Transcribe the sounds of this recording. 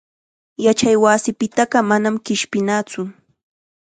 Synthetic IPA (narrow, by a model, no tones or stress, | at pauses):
jat͡ʃajwasɪpɪt̪ɑɢɑmanamkɪʃpɪnaːt͡sʊ